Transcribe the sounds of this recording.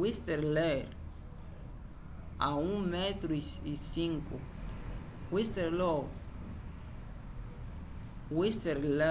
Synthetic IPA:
wist̪eɾleɾ | aũŋmet̪ɾuiisĩŋko | wist̪eɾlo | wist̪eɾle

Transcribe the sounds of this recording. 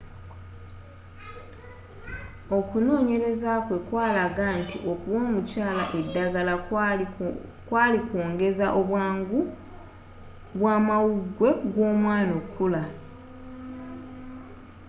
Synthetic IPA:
o̞kuno̞ːɲe̞ɾe̞zakwe̞kwaːlaɡantḭʔo̞kuβo̞ːmucaːla̰ʔe̞dːaɡala | kwaːlikoːŋɡe̞zaʔoβwaːŋɡu | βwaːmawuɡwe̞ɡwo̞ːmwaːnokʰːula

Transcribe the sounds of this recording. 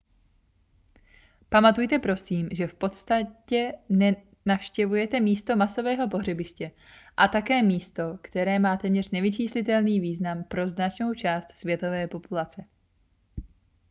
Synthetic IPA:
pamat̪ujt̪ɛpɾo̞siːmʒɛfpo̞t̪st̪acɛnɛ | nafʃcɛvujɛt̪ɛmiːst̪o̞maso̞vɛːɦo̞po̞ɦrɛbɪʃcɛ | ʔat̪akɛːmiːst̪o̞kt̪ɛɾɛːmaːt̪ɛːmɲɛr̝nɛvɪt͡ʃiːslɪt̪ɛlniːviːznampɾo̞znat͡ʃno̞wt͡ʃaːst̪svjɛt̪o̞vɛːpo̞pulat͡sɛ

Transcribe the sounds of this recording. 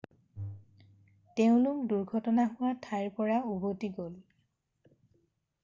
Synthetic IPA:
teʊ̃lʊkduɹɡʱɔtɔnaɦʊwatʰaɹpɔɹaubotiɡol

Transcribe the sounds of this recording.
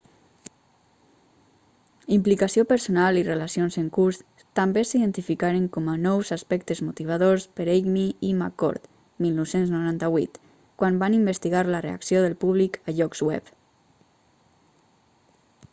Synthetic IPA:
implikasiopəɾsonalirelasionzəŋkuɾs | t̪ambesiðənt̪ifikaɾeŋkɔmanɔwzaspɛkt̪əzmut̪iβ̞aðoɾspəɾeɡmiima̰kɔ̰ɾt̪ | milˠnɔwsenznuɾant̪aβwḭt̪ | kwanbanimbəst̪iɣaɾlərea̰ksjoðəlpuβlikəʎɔkzwɛ̰p

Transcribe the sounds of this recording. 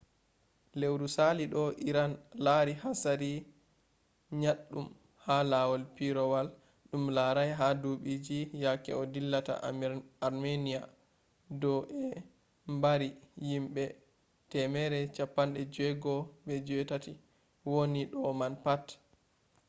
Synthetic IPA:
lewɾusaliɗɔʔiɾanlaɾihasaɾi | ɲaɗːum | halawɔlpiɾɔwal | ɗumlaɾajɦaduɓid͡ʒijakɛ̰ɔdilːata̰ːɾmenija | dɔʔɛ | mbaɾijimɓɛ | tɛmɛɾɛt͡ʃapːanɗɛd͡ʒɛɡɔɓɛd͡ʒɔɛtati | woniɗɔmanpat

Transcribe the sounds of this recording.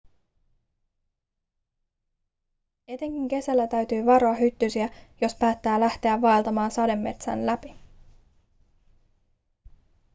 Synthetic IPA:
e̞t̪e̞ŋk̟iŋk̟e̞sælːæt̪æɥt̪yːʋɑɾo̞ɑɦyt̪ːysiæjo̞spæːt̪ːæːlæht̪e̞æʋːɑelt̪ɑmɑːnsɑde̞mːe̞t̪sæ̰nlæpi

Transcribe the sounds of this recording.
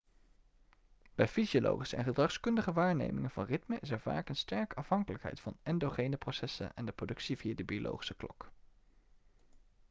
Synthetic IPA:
b̥ɛjfiziolo̰wχisəɛ̰nχədrɑχskɵndəχəʋaːɹnḛjmɪŋənv̥ɑ̰nrɪtməʔɪsɛɹv̥a̰ːkənstɛɹkəɑfɦɑŋkələkɦɛ̰jtfɑnɛndoχejnəprosɛsə̰nɛndəprodɵksiviaːdəbiolʔo̰wχi̥səklɔk

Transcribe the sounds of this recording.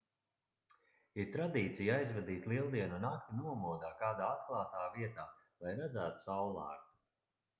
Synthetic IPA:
iɾt̪ɾad̪iːt̪sijajzvɛd̪iːt̪ʲlˠiɛlˠd̪iɛnunak̚t̪inuɔmuɔd̪aːkaːd̪aːat̪̚klˠaːt̪aːviɛt̪aː | lˠajɾad̪zæːt̪u̥sawlˠa̰ːɾt̪u̥

